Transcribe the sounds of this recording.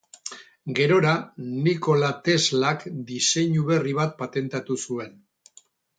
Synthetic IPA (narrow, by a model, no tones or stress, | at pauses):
ɡe̞ɾo̞ɾaniko̞lat̪e̞zlakd̪ise̞ɲuβe̞riβ̞at̪̚pat̪e̞nt̪at̪usue̞n